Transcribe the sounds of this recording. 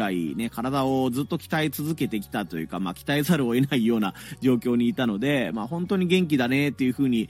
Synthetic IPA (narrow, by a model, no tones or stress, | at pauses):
ɾaḭne̞kaɾad̪ao̞d͡zɨt̪ːo̞kʲi̥t̪ait͡sɨzɨke̞t̪e̞kʲi̥t̪at̪o̞jɯ̟̰kamakʲi̥t̪aisaɾɯ̟o̞e̞naijo̞ːnad͡ʑo̞ːkʲo̞ːɲ̟iːt̪ano̞d̪e̞maːhõ̞nt̪o̞ɲ̟iɡẽ̞ŋk̬ʲid̪ane̞t̪ːejɯ̟ɸɯ̟ːɲ̟i